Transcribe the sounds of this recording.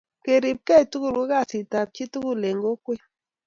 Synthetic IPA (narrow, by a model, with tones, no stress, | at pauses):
ke˨ɾi˨p̚kɛ˦i˨tu˦ku˦˨lu˦ka˦˨si˨ta˨p̚t͡ʃi˦tu˦ɡu˦le˨ŋɡo˦kwe˦